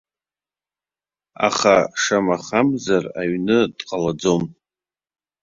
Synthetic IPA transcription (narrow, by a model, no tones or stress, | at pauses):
a̰χaʂamaχamzaraɥnɨdqʼalad͡zom